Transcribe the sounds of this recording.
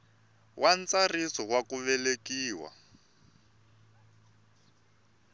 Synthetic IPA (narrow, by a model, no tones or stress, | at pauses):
wʔan̩t͡sarisɔwakuβɛlekiːwa̰